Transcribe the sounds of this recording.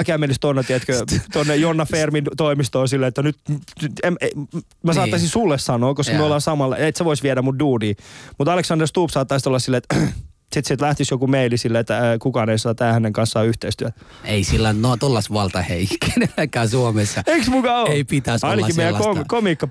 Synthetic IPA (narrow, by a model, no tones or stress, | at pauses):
kæːmelist̪onːɑt̪iɛt̪køt̪onːejonːɑfeːrmint̪oimist̪oːsilːeet̪ːænyt̪eme | mæsɑːɑsinsulːessɑnoːkoskɑmyøolːɑnsɑmɑlːet̪seʋoisʋiɛɾæmunduːdiːmut̪ɑleksɑnderst̪uːpsɑːt̪ːɑˑsit̪olːɑsilːeet̪ | sit̪sit̪læht̪isjokumeilisilːeet̪ːækukɑːneisɑːt̪æːhæneŋkɑnssɑːyht̪eist̪yæt̪ | eisilːɑnnot̪olːɑsʋɑlt̪ɑheikːenelːekːæːsuomesːɑeksmukɑoeipit̪æsɑinlɑɑkimejæokomiːkːɑ